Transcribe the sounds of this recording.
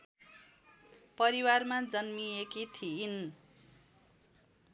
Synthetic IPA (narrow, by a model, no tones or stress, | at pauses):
pʌɾiwarmad͡zʌnmiekit̪ʰiːn